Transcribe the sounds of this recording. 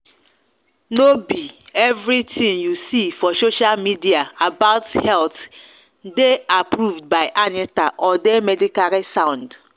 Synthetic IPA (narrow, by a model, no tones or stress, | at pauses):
nobievɾitʰĩŋjusifɔsoʃalmidiaabaʊthɛlt | deapɾuvd̚baɪʔanitaʔɔdemɛdikaɾisãʊ̃nd